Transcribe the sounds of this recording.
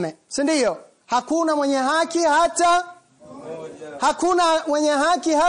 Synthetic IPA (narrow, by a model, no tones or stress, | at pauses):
mɛsindijɔ | hakunamwɛɲɛɦakihata | hakunamwɛɲɛɦakiha